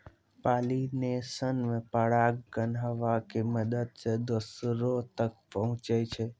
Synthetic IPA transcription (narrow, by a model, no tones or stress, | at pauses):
paːlinesənmẽpəɽaɡːənɦəʋakeməd̪əd̪sed̪osɾot̪ək̚pəɦʊ̃t͡ʃət͡ʃʰe